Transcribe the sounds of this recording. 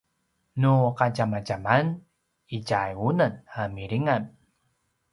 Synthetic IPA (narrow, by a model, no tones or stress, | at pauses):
nuqaɟamaɟaman | iɟajunənamiɾiŋan